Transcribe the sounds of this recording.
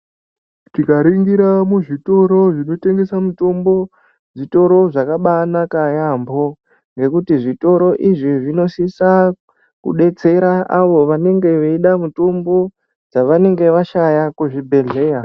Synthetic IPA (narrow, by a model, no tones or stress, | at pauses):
tikaɾiŋɡiɾamuʐito̞ɾo̞ʐino̞te̞ŋɡe̞samutombo̞ | d͡zito̞ɾo̞ʐakaɓanakajambo̞ | ŋɡe̞kutiʐito̞ɾo̞ʔiʐiʐino̞sisa | kṵɗe̞t͡se̞ɾaʔaʋo̞ʋane̞ŋɡe̞ʋeiɗamutombo̞ | d͡zaʋane̞ŋɡe̞ʋaʃajakuʐibʱe̞ɮe̞ːja